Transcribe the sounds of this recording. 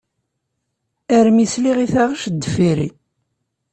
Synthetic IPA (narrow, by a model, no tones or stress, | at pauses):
æɾmisliʁiθaʁəʃd̪ːəfiɾi